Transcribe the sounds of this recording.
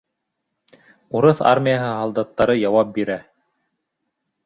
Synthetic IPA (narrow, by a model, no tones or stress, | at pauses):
uɾɤθa̰ɾmʲijaɦɤɦɑlˠd̪ɑt̪ːɑɾɤjɑwɑp̚biɾæ